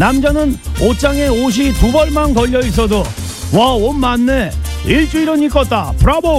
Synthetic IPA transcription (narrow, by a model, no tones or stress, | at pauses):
namd͡ʑʌnɯnot͡ɕ͈aŋe̞oɕ̬ʰitubʌɭmankʌʎːʌis̬͈ʰʌdo | waonmanːe | iɭt͡ɕ͈uiɾɯɲik͈ʌt̚t͈apʰuɾabo